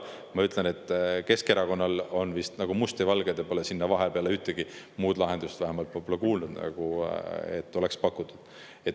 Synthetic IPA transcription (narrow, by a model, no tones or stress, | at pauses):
mɑyt̪ˑlenet̪ːˑke̞ske̞ɾɑko̞nːɑlo̞nvist̪nɑɡ̥umust̪ivɑlɡ̥ed̪epolesinːɑvɑɦepeɑleyht̪eɡ̥i | muːd̪lɑɦend̪ust̪væhemɑlt̪olːekuːlnud̪nɑ̰ɡ̥uḛt̪ːo̞le̞kspɑkːˑut̪ːˑu̥d̪̥ | et̪